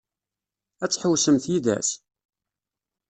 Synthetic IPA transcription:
æt͡sːħəwsəmθjiðæ̰s

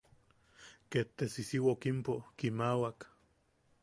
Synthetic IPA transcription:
ket̪ːesisiwaokimpokimawak

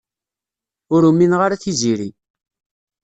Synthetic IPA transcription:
ʊɾumːinʁaɾaθiziɾi

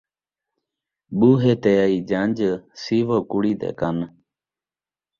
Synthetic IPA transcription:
ɓuːɦeːt̪eːaiːd͡ʒand͡ʒsiːʋoːkʊɽiːd̪ḛːkan

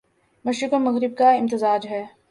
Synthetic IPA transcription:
mɐʃɾɪkomɐɣɾɪb̚kaɪ̃mt̪ɪzaːd͡ʒɦɛː

